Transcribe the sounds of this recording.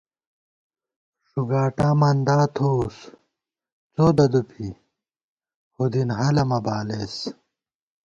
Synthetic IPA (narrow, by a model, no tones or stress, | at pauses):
ʂuɡaːʈaːmɐnd̪aːt̪ʰoːs | t͡soːd̪ɐd̪upʰi | hud̪inɦɐlɐmɐbaːleːs